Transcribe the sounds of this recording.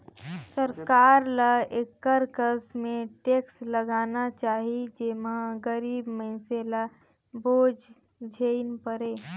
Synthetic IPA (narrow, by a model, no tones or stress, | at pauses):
səɾkaːɾlaekːəɾkəsmẽʈeːksləɡaːnat͡ʃaːɦid͡ʒemãɡəɾiːbməɪsela | boːd͡ʒ | d͡ʒʱeɪnpəɾeː